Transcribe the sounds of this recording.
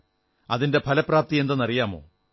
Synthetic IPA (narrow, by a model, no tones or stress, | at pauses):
ɐðinde̞pʰɐlɐpːraːp̚t̪ije̞nd̪onːɐrijaːmo̞̰ː